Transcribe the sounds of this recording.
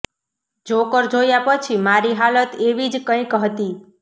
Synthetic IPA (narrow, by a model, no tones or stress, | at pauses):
d͡ʒokəɾd͡ʒojapət͡ʃʰimaɾiɦalət̪eʋid͡ʒkə̃ĩkəɦt̪i